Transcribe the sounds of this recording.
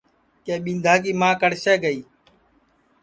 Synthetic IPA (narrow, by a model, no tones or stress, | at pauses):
keːɓɪnd̪ʱaːk̬iːmãːkəɽʃeːɡəiː